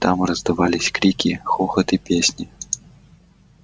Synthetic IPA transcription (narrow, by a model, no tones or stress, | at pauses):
t̪amrɐzd̪ɐvalʲisʲkɾʲikʲixɔxɐt̪ipʲesʲnʲi